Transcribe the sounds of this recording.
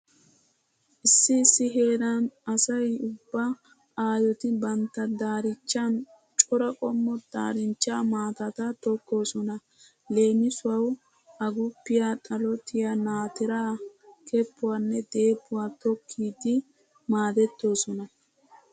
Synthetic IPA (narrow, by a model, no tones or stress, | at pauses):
ʔɪsːɪːsːɪɦe̞ːd̪ɐnɐsɐjʊbːɐ | aːjɔt̪ɪbɐnt̪ːɐd̪aːɾɪt͡ʃːɐn | t͡ʃʼɔɾɐkʼɔmːɔd̪̥a̰ːɾɪnt͡ʃːaːmaːt̪ɐt̪ɐt̪ɔkːo̞ːsɔnɐ | le̞ːmɪsʊwɐw | ʔɐɡʊpːɪjaːt̪ʼɐlɔt̪ʰɪjanaːt̪ɪɾaːkʰɛpːʊwaːnːɛd̪e̞ːpːʊwaːt̪ɔkʰːiːd̪ɪ | maːd̪ɛt̪ːo̞ːsɔnɐ